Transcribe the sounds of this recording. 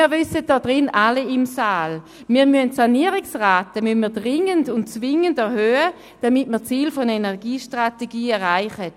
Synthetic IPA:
iɐvʏsət̚d̥ɔdʁɪnaliɪmsaːl | miːɐmyntsaniəʁɪksʁaːtəmynmiːɐdʁɪŋəndʊntt͡svɪŋəndɛʁhøːə | d̥amɪtməʁt͡siːlfɔnenɛʁɡiːʃtʁateɡiːɛʁaɪχət

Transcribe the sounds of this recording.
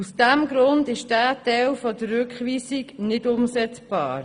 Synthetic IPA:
usd̥æmɡɾʊndɪʃd̥æːtɛlfɔdərːʏkχʋiːsiɡnɪdʊmsɛt͡sb̥ɑ̰ːɾ

